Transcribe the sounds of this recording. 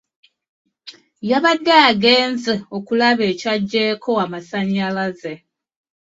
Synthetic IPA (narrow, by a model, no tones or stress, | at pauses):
jaβadːaːɡe̞ːnzeo̞kulaβe̞ːcaɟːe̞ːkʰo̞amasaɲːalaze